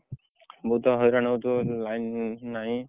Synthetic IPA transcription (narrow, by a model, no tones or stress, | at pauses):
bɔt̪ɔɦɔjɾanɔwtʊlajnːaɦĩ